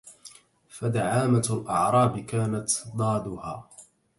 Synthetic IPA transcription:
fad̪aʕaːmalʔɑ̰ʕɾˤɑːbɪkaːnat̪d̪ˤɑːd̪ʊhaː

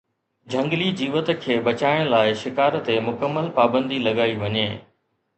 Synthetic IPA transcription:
d͡ʑʱɐ̃ŋɡlid͡ʑiːʋət̪ə̆kʰeːɓɐt͡ɕaːɪɽ̃laːɪʃɪkaːɾt̪emʊkəmːəlpaːbə̃nd̪ilɐɠaːiʋɐɲeː

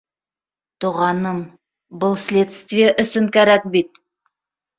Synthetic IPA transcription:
t̪uʁɑnəm | bʊlˠslʲe̞t̪st̪vijeʔʏsɪŋkʲæɾæk̚bit̪̚

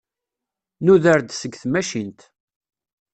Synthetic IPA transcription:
nuðəɾd̪səɡθmæʃint̪

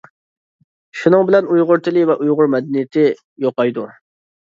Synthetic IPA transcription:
ʃunɨŋbɪlɛnujʁʊɾt̪ʰɪlˠɪvɛʔujʁʊɾmɛd̪ɛnijɪt̪ʰɪ | joqɑjd̪u

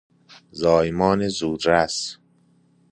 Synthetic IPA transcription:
zɒːjmɒːnezuːd̪ɾæs

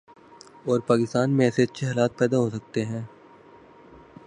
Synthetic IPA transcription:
ɔːɾpaːkɪst̪aːnmẽɛseːt̪t͡ʃeɦaːlaːt̪̚pɛːd̪aɦosɐk̚t̪eɦɛ̃ː

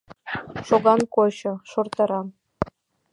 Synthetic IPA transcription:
ʂoɡɑnkoɕɤ̆ʂort̪ɑɾɑ

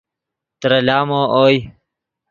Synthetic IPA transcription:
t̪ɾɐlaːmoːʔoːj

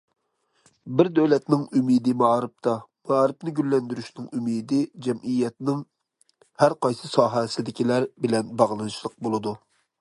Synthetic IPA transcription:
bɪɾd̪øwlɛt̪nɪŋymid̪ɪmɑɾɨp̚t̪ʰɑmɑːɾɪpnɪɡʲylːɛnd̪yɾyʃnɪŋymid̪ɪd͡ʒɛmʔijːɛt̪nɪŋ | hæɾqɑjsɨsɑːɦɛsɪd̪ɪkʲʰilæɾbɪlɛnbɑʁlˠɨnɨʃlˠəq̚bolˠɨd̪u

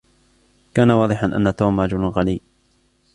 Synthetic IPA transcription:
kaːnawɑːðˤɨħanʔa̰nːat̪oːmɾˤɑd͡ʒʊlɣaliː

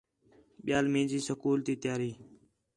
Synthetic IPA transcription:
ɓɪjaːlmẽːd͡ʒiːsəkuːlt̪iːt̪ɪjaːɾiː

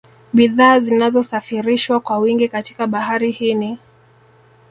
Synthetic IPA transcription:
ɓiðaːzinazɔsafiɾiʃwakwawiŋɡikati̥kaɓaɦaɾihini

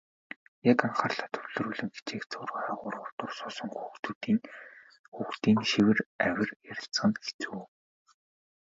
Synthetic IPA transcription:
jakaɴχaːrɮaːt̪ʰɵɮɵ̆ɾuːɮɘ̆ŋxe̥t͡ɕeːkt͡sʰʊːraːʁʊːɾʊrt̪ʊrsʊːsɞ̆ŋxuxt̪uːt̪iːn | xuxt̪iːnʃiwɘ̆ræwʲɪ̆rjaɾʲɪ̆ɬt͡sə̆ŋxe̥t͡suː

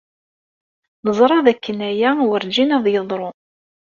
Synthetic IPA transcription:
nəzˤɾˤɑðækːənæjæwəɾd͡ʒinɑðˤjəðˤɾˤo

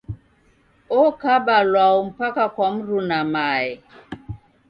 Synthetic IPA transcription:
ɔkabalwaɔm̩pakakwam̩ɾunamaɛ

